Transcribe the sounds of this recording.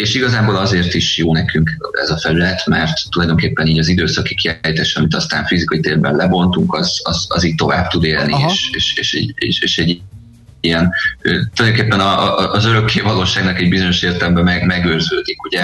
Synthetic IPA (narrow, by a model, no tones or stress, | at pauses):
eːʃiɡɒzaːboːlɒzeːrt̪iʃjoːnɛkʰyŋkɛ̰zɒfɛlylɛt̪mɛrt̪ːulɒjd̪o̞ŋkeːpːɛniːɟɒzid̪øːsɒkikiaːjit̪aːʃɛɒmit̪ɒst̪a̰ːɱfizikɒit̪eːrbɛ̰nlɛbo̞nt̪uŋkɒzɒ̰zɒ̰ziːɟ̚t̪o̞va̰ːb̚t̪ud̪eːlnieːʃeːʃḛːʃɛ̰ɟḛʃḛːʃɛɟ | ijɛnøt̪ulɒjd̪oŋkeːpːɛnɒʔɒʔzøɾø̞kːeːvɒloːʃaːɡnɒkɛɟ̚bizo̞ɲo̞ʃeːrt̪ɛlɛmbɛmɛmɛɡøːrzøːd̪ikuɟɛ